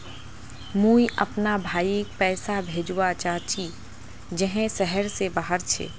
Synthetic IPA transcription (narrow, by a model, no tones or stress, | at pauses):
mũːiʔɐpnabʱaːiek̚pɛːsabʱeːd͡ʒwat͡ʃaːt͡ʃi | d͡ʒəɦẽsɛɦəɾsebaːɦəɾt͡ʃʰḛː